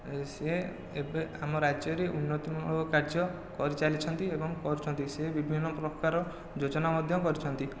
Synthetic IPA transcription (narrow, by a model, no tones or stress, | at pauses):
se | ebeamɔɾad͡ʒjɔɾeʔunːɔt̪imɔɔkaɾd͡ʒɔ | kɔɾit͡ʃalit͡ʃʰɔnt̪iebɔŋkɔɾut͡ʃʰɔnt̪isebibʱinːɔpɾɔkaɾɔ | d͡ʒod͡ʒɔnamɔd̪ʱjɔkɔɾit͡ʃʰɔnt̪i